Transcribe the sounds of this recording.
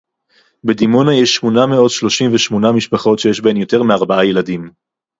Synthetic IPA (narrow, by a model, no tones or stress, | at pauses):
bedimo̞najeʃːmonameo̞dʃlo̞ʃimveʃmo̞namiʃpaχo̞tʃejeʃbemjo̞te̞ʁmeaʁbaajeladim